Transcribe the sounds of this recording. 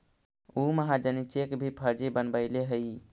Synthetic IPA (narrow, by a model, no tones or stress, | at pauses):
uməɦad͡ʒənit͡ʃekbʱipʰəɾd͡ʒibənbəɪleɦəj